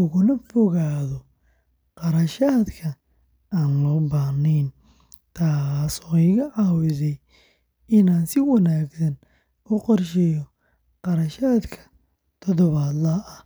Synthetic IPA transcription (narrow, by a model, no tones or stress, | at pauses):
ʊɣʊnɐfɔɣaːðɔ | qɑɾɐʃaːd̪kʰɐ | aːnlɔːbaːnɛːn | t̪ʰaːsɔːɪɣɐʕɑːwɪsɛj | ɪnaːnsɪwɐnaːɡsɐn | ʊqɔrʃɛjɔ | qɑɾɐʃaːd̪kʰɐ̥ | t̪ʰɔd̪ɔβaːd̪lɐɐh